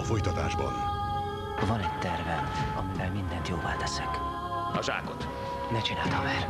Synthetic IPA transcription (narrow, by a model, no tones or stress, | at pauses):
ɒfo̞jt̪ɒt̪a̰ːʒbɒ̰n | vɒnɛct̪ɛrvɛɒmivɛlmind̪ɛnt̪joːva̰ːt̪ɛsɛk | ɒʒa̰ːkot̪ | nɛt͡ʃinaːt̪ɒmɛr